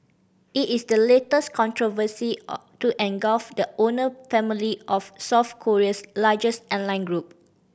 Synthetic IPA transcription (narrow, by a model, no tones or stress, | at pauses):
itisdəletəskʰɔ̃ntʰɹovəsituʔɛ̃nɡɔlfdəonəfɛ̃miliʔɔfsɔfkʰɔɹiəslad͡ʒəstɔ̃nlãj̃nɡɹup̚